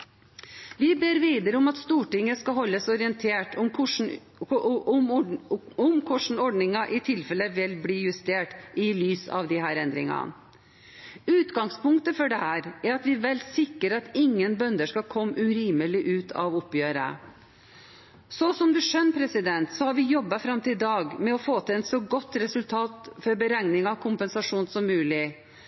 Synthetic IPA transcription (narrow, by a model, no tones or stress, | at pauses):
ʋɪbeːɾʋiːd̪əɾəʊmɑt̪st̪uːʈɪŋːəskɑɦɔlːəsɔɾɪənt̪ʰeːʈɔmʊʂ | ɔmkʰʊʂɳ̩ɔɖɳɪŋɑʔɪt̪ʰɪlfɛlːəʋɪlbliːjʉst̪eːʈʔɪlyːsɑ̰ʋd̪ɪhæːɾɛnd̪ɾɪ̰ŋɑ̰n | ʉːt̪ɡɑŋspʊŋkt̪əfɔɖɛhæːɾæɾɑt̪ʋɪʋɛlsɪkːəɾɑt̪ɪŋːənbœnd̪əʂkɑlkʰɔmːʉɾiːməlɪʔʉːt̪ʰɑ̰ʋʊpjøːɾə̰ | sɔsɔmd̪ʉʂœnːəpʰɾɛsɪd̪ɛnt̪sɔhɑɾʋɪjɔbːɑfɾɑmt̪ʰɪld̪ɑːɡmɛɔfoːt̪ʰɪlɛt̪sɔɡɔt̪ːɾɛsʉlt̪ʰɑːt̪fɔɾbəɾæŋnɪŋɑkʰʊmpɛnsɑʂuːnsɔmːʉːlɪ